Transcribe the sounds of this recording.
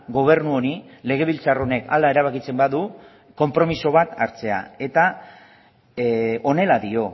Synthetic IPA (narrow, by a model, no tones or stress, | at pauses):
ɡo̞β̞e̞rnuonile̞ɣ̞e̞β̞ilt͡saro̞ne̞ka̰lae̞ɾaβakit͡se̞mbaðu | ko̞mpɾo̞miso̞β̞at̪aɾt͡se̞a̰e̞t̪a | o̞ne̞laðio̞